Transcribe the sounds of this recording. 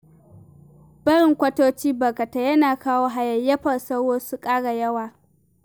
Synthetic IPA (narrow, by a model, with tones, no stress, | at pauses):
b̥ɐ˦ɽɪ˨ŋkʷɐ˦toː˦t͡ʃiː˦bɐ˨kɐ˨ta˦jɐ˦naː˨kaː˦woː˦ɦa˨jɐ˨jɐ˦ɸɐ˨sɐ˦wwoː˦su˦kʼaː˦ɽa˨jɐ˦waː˨